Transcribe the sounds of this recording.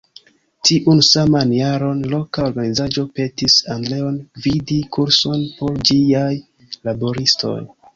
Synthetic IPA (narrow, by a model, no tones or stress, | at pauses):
tiʔunsamanjaɾo̞nlo̞kaoɾɡanizad͡ʒo̞pe̞tisandle̞onvidikʰuɾso̞npo̞ɾd͡ʒiaj | labo̞ɾisto̞̰j